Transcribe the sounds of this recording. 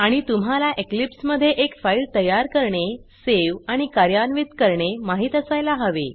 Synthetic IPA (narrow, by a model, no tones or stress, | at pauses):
aɽ̃it̪um̤ɦalaʔeklipsməd̪ʱːjeʔekfailt̪əjaɾkəɾɳeseʋaɽ̃ikaɾjanʋit̪kəɾɳemaɦiːt̪əsajlaɦəʋḛ